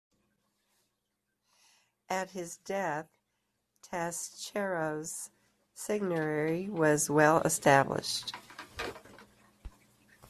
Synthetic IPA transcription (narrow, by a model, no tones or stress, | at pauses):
ʔɨt̚hɪzdɛθ | tʰæst͡ʃʰɛɹoz̥ | sɪɡ̚nəɛɹiwʌzwɛlˠə̰stæblɪ̰ʃt